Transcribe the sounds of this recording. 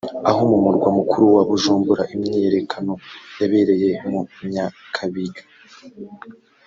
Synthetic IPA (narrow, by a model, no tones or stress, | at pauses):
aɦomumuɾɡwamukʰuɾuwaβuʒuːmbuɾaʔimɲijeɾe̞kʰano̞jaβe̞ɾe̞je̞mumɲakʰaβijo